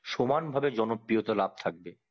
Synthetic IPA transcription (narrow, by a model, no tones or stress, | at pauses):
ʃomanbʱabed͡ʑɔnopːɾijot̪alab̚t̪ʰak̚be